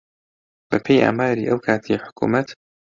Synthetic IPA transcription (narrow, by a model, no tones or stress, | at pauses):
bɐpʰejʔa̰ːmaːɾḭːʔɐwkʰaːt̪ʰiħʊ̥kʰṵːmɐt̪